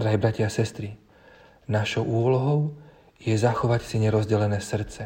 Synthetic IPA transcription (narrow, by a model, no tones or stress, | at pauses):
ɾajbɾacasɛst̪ɾi | naʃɔʊuɔlɔɦɔʊ | jɛzaxɔʋacsiɲɛɾɔzɟɛlɛnɛːsr̩t̪t͡sɛ